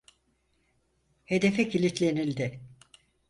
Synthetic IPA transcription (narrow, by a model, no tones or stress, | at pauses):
he̞d̪e̞fɛcilʲit̪lʲe̞nilʲd̪ɪ